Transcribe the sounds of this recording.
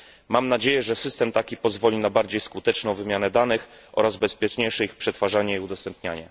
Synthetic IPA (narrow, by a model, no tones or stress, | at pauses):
mamnad͡ʑejɛʐɛsɘst̪ɛmt̪akʲipɔzvɔlʲinabaɾd͡ʑejskut̪ɛt͡ʂnɔ̃w̃vɘmʲjanɛd̪anɘxʔɔ̰ɾazbɛspʲjɛt͡ʂɲejʂɛixpʂɛt̪faʐaɲɛiud̪ɔst̪ɛmpɲaɲɛ̰